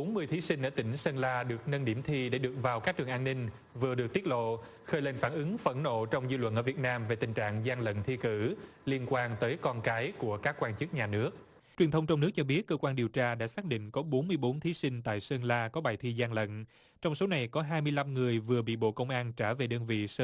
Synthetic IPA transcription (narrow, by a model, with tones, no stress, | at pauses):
ɓo˨˦nmɨ˧˩əjt̪ʰi˨˦si˧ŋ̟ʔəː˧˩t̪ï˧˩ŋ̟səː˧nlaː˧ɗɨ˨˩ək̚nə˧nɗi˧˩əmt̪ʰi˧ɗe˧˩ɗɨ˨˩ək̚vaː˨˩wka˦˥k̚t͡ɕɨ˨˩əŋʔaː˧nːï˧ŋ̟ | vɨ˨˩əɗɨ˨˩ək̚t̪i˦˥t̚lo̰˧˨ | xəː˧jle˧nfaː˧˩nʔɨ˨˦ŋfə˧˩nːo̰˧˨t͡ɕɔ˧wŋ͡mzi˧lwə̰˧˨nʔəː˧˩vi˨˩ət̚naː˧mve˨˩t̪ï˨˩ŋ̟t͡ɕa̰ː˧˨ŋzaː˧ŋlə̰˧˨nt̪ʰi˧kɨ˧˩li˧ənkwaː˧nt̪əː˨˦jkɔ˧nkaː˨˦jku˧˩əkaː˦˥kːwaː˧nt͡ɕɨ˦˥k̚ɲaː˨˩nɨ˦˥ək̚ | t͡ɕwi˨˩ənt̪ʰə˧wŋ͡mt͡ɕɔ˧wŋ͡mnɨ˦˥ək̚t͡ɕɔ˧ɓi˦˥ət̚kəː˧kwaː˧nɗi˨˩əwt͡ɕaː˧ɗa̰ː˧˥saː˦˥k̚ɗḭ̈˧˨ŋ̟kɔ˨˦ɓo˨˦nmɨ˧əjɓo˨˦nt̪ʰi˨˦si˧ŋ̟t̪a̰ː˧˨jsəː˧nlaː˧kɔ˨˦ɓaː˨˩jt̪ʰi˧zaː˧ŋlə̰˧˨n | t͡ɕɔ˧wŋ͡mso˨˦na˨˩jkɔ˨˦ɦaː˧jmɨ˧əjla˧mŋɨ˨˩əjvɨ˨˩əɓḭ˧˨ɓo̰˧˨kə˧wŋ͡mʔaː˧nt͡ɕaː˧˩ve˨˩ɗəː˧nvḭ˧˨sə˧